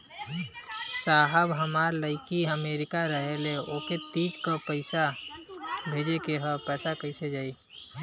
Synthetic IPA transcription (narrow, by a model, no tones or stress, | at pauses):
saɦəbɦəmaːɾləɪkiəmeːɾɪkaɾəɦeleoket̪iːd͡ʒkəpəɪsa | bʱeːd͡ʒekeɦəpɛːsakəised͡ʒaːi